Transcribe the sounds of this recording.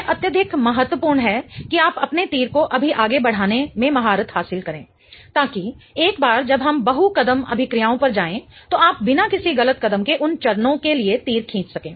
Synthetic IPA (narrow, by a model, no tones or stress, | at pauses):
ʔɐt̪jəd̪ʱɪkmɐɦət̪wəpuːɾɳɦɛːkiaːpɐpnet̪iːɾkoʔɐbʱiʔaːɡebɐɽ̤aːnemẽmɐɦaːɾət̪haːsɪlkɐɾẽː | t̪aːki | eːkbaːɾd͡ʒɐbɦɐmbɐɦukɐd̪əmɐ̰bʱɪkɾijaːõpɐɾd͡ʒaːẽt̪oaːp̚bɪnakɪsiɣɐlət̪̚kɐd̪əmkeʔʊnt͡ʃɐɾnõkeliet̪iːɾkʰĩːt͡ʃ̪sɐkẽː